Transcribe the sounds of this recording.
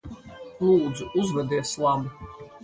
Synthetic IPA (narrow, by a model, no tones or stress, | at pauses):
lˠuːd̪zuʔuzvɛd̪iɛslˠabi